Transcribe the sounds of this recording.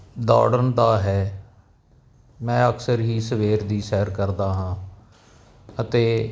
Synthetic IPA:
d̪a̰ːɽənd̪aːɦɛː | mɛ̃ːəksəɾɦiːsəʋeːɾd̪iːsɛːəɾkəɾd̪aːɦãː | ət̪eː

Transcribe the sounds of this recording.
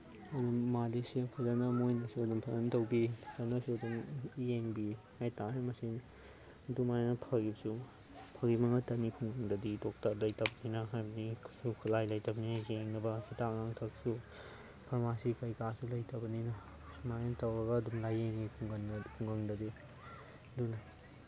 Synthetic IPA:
ɐdumalisipʰɐzanɐmojnɐsuɐdumpʰɐɐntɐwbisanɐsuɐdumjeŋbihajtaɦemɐsi | dumajnɐpʰɐɡibsu | pʰɐɡimɐŋɐtɐnikʰuŋɡɐŋdɐditok̚taɾlɐjtʰɐbɐninɐɦajbɐnisukʰulajlɐjtɐbninɐjeŋnɐbɐsitaknaŋtʰɐk̚su | pʰɐɾmasikɐjkasulɐjtʰɐbɐninɐ | sumajntɐwɾɐɡɐːdumlajeŋnŋipʰuŋɡɐnkʰuŋɡɐŋdɐdi | dunɐ

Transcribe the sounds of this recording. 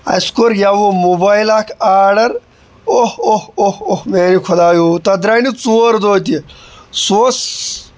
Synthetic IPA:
ɐ̰skoɾjaʋomobaːjlaːkʰaːɾɖɐɾ | ohohohohmeːnikʰod̪aːjut̪ɐd̪ɾaːnit͡soːɾd̪oːt̪̬isoːs

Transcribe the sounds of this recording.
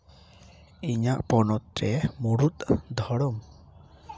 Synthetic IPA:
iɲaʔpɔnɔt̪̚ɾɛmuɽut̪d̪ʱɔɽɔm

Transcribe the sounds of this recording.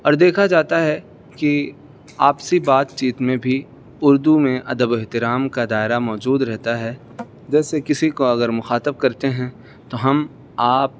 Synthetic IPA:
ɔːɾd̪eːkʰad͡ʒaːt̪aɦɛ | ki | aːpsibaːt̪t͡ʃiːt̪mẽbʱi | ʊɾd̪umẽʔɐd̪əbɪɦt̪ɪɾaːmkad̪aːɪɾamɔːd͡ʒuːd̪ɾɛɦt̪aɦɛ | d͡ʒɛːsekɪsikoɐɡəɾmʊxaːt̪əb̚kɐɾt̪eɦɛ̃ | t̪oɦɐm | aːp̚

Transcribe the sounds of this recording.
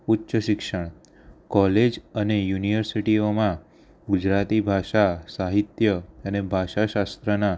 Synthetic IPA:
utːʃəʃɪkʃəɳ̃ | kɔled͡ʒənejuniʋəɾsiʈiomã | ɡʊd͡ʒɾat̪ibʱaʃasaɦit̪jəənebʱaʃaʃast̪ɾəna

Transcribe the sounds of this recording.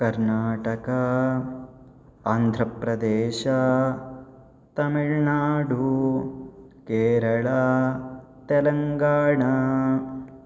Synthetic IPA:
kɐɾnaːʈɐkɐ | aːnd̪ʱɾɐpɾɐd̪ɛːʃɐ | t̪ɐmiɭnaːɖu | keːɾɐɭa | t̪ɛlɐŋɡaːɳɐ

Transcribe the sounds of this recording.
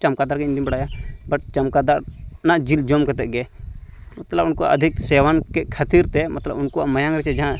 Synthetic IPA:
t͡ʃɐmkad̪aɾkeɪ̃nd̪ibɐɽaːjabɐʈ̚t͡ʃɐmkad̪aɾnad͡ʒild͡ʒoːmkɛt̪ɛʔɡɛmɐt̪ləbʊnkoa̰ʔɐ̰d̪ʱɪksɛːʋankekʰɐt̪iɾt̪ɛmɐt̪lə̰bʊnkoa̰mɐjãŋɾɛt͡ʃɛd͡ʒɦã

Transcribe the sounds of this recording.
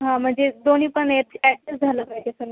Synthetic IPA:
ɦãm̤əɳd͡zed̪onipəɳeʈɛʈ̚sesd͡zʱaləkaɦt̪esəɡ

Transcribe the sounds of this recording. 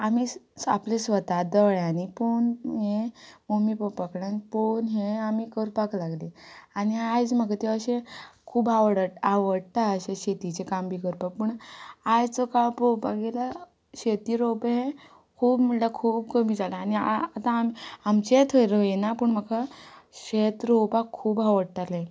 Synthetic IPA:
amiaplesʋət̪ad̪əɭjaniponɦẽmomipəpakɽanponɦẽamikəɾpaklaɡleaniajd͡zməkat̪eəɕẽkʰuːbaʋəɽəaʋəɽt̪aəɕeɕet̪it͡sekambʱiːkəɾpak̚pəɳajt͡sɔkampɾopakɡela | ɕet̪iɾopɦẽ | kʰuːbmiɭlakʰuːbkəmiːd͡zalaaniaat̪amamt͡ɕet̪ʰəɾjenapəɳm̤əkaɕet̪ɾowpakʰːuːbaʋəɽʈ̪alẽ

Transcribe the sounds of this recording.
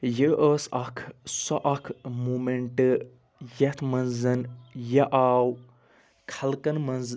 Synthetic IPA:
jəʔəːsɐkʰsɔʔɐkʰmumeɳʈɨ | jɐt̪ʰmɐnzɐnjɐʔaːw | kʰɐlkɐnmɐnz

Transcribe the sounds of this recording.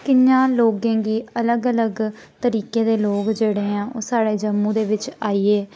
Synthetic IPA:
kɪɲãːloːɡẽːɡiːələɡələɡ | t̪əɾiːkẽːd̪eːloːkd͡ʒeːɽeːãːʔo̰ːsaːɽeːd͡ʒəmːũːd̪eːʋɪt͡ʃaːiːeː

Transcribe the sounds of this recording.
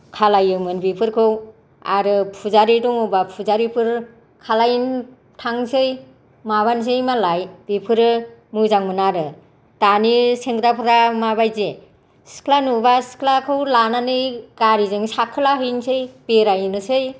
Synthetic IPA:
kʰalajɯmɯnbipʰɯɾkʰɯw | a̰ɾɯpʰuzaɾidɔŋɔbapʰuzaɾipʰɯɾ | kʰalajin | tʰaŋsɯj | maβans̬ɯjmalajb̥ipʰɯɾɯmɯzaŋmɯnaɾɯ | taniseŋɡɾapʰɯɾamabajze | si̥kʰlanubasi̥kʰlakʰɯwlananɯjɡaɾizɯŋsakʰːɯlaɦɯjnsɯjbeɾajɯnɯsɯj

